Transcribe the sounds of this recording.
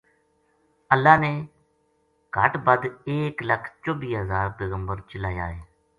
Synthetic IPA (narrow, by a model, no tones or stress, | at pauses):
əlːaːneː | ɡʱəʈbəd̪eːkləkʰt͡ʃobiːɦəzaːɾpeːɣəmbəɾt͡ʃəlaːja̰ːɦeː